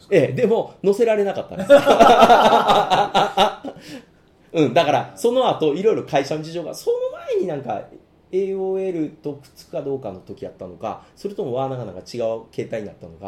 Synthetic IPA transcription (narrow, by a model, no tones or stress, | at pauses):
e̞d̪e̞mo̞no̞se̞ɾaɾe̞nakat̪ːa̰neka | ɯ̟̃ɴd̪akaɾaso̞no̞at̪o̞iɾo̞iɾo̞kaiɕamod͡ʑiʑo̞ːɡaso̞no̞maeɲ̟inãŋka̰ | e̞ːoːe̞ɾɯ̟t̪o̞kɯ̟̥t͡sɨ̥kɯ̟̥kad̪o̞ːkano̞t̪o̞kʲiat̪ːano̞ka̰so̞ɾɯ̟t̪o̞mo̞βaːnaɡanãŋkat͡ɕiɡaɯ̟ke̞ːt̪aiɲ̟ina̰t̪ːano̞ka̰